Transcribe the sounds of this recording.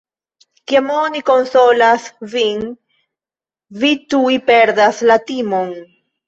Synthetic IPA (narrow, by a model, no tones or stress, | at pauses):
kiamoniko̞nso̞lasviŋ | vit̪uipeɾd̪aslat̪imon